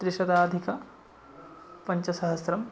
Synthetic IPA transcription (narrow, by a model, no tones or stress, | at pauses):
d̪ɾiʃɐd̪aːd̪ʱikɐ | pɐɲt͡ʃɐsɐɦɐsɾɐm